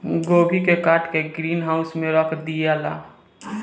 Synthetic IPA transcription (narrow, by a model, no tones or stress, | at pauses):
ɡoːbʱikekaːɾʈkeɡɾiːnɦaːʊsmẽɾəkʰd̪ijaːla̰ː